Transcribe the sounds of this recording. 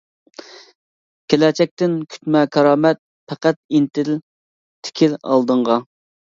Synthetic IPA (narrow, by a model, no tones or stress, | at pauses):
kʲʰelɛt͡ʃʰɛk̚ʲt̪ɪnkʲʰy̥t̪mɛkʰɑɾɑːmɛt̪̚ | pʰæqæt̪̚int̪ɪl | t̪ʰɪ̥kʲʰilɑ̰lˠd̪əɴʁɑ